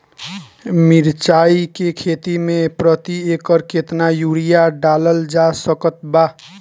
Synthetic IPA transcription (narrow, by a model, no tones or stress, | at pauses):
miɾt͡ʃaikekʰet̪imepɾət̪iekəɾket̪najuɾijaɖaləld͡ʒasəkət̪ba